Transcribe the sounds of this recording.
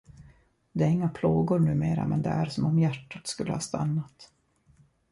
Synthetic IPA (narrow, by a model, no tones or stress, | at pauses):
d̪ɛæɾɪŋːapʰloːɡʊɾɳʉ̟ːmeːɾa̰mɛnd̪ɛ̰æɾsɔmɔmjæʈːat̪skɵlːəhɑːst̪ʰa̰nːat̪